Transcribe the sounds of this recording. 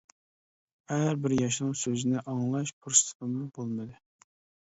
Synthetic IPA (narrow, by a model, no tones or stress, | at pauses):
æɾbɪɾjɑʃnɨŋsøzɪnɪʔɑŋlˠɑʃpʰuɾst̪ʰɨ̥t̪əmɨbolˠmɨd̪ɨ